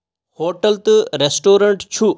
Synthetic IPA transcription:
hoːʈɐlt̪ɨɾesʈoːɾɐɳʈt͡ʃʰu

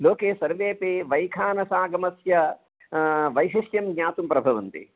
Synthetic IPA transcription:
loːkeːʃsɐɾʋeːpeʋɐjkʰaːnɐsaːɡɐmɐsjɐ | ʋɐjɦiʂjɐmɡɲaːt̪umpɾɐbʱɐʋɐnt̪ḭ

